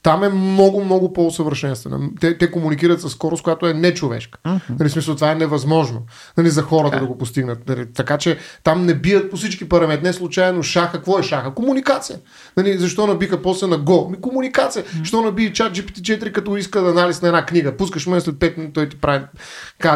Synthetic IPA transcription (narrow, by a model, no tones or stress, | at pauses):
t̪amɛmnɔɡʊmnɔɡʊpoːsəvəɾʃɛnst̪vɛ̰nɐ̰t̪ɛt̪ɛkomunik̬iɾət̪sɐsːkɔɾʊskʊjat̪oɛnɛt͡ʃovɛ̰ʃkə̥nɐlismisəlˠt̪ovaɛnɛvɐzmɔʒno | nɐlizɐxɔɾət̪əd̪ɐɡopost̪iɡnət̪nɐlit̪ɐkat͡ʃɛt̪amnɛbiət̪̚posit͡ʃkipɐɾɐmɛt̪nɛslˠut͡ʃajnoʃaxəkvɔɛʃaxəkomunikat̪sijə | nɐlizɐʃt̪ɔnɐbixəpɔslɛnɐɡɔmikomunikat̪sijəʃt̪ɔnɐbit͡ʃat̪̚d͡ʒipit̪it͡ʃɛt̪iɾikɐt̪ɔiskəd̪ɐnalisnɐɛd̪nakniɡəpuskəʃmɛslɛt̪̚pɛt̪̚t̪ɔjt̪i̥pɾavi | ka